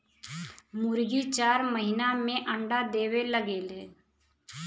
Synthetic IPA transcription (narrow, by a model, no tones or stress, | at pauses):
mʊɾɡit͡ʃaːɾməɦɪnamẽʔə̃ɳɖad̪eːweləɡeːlɦeː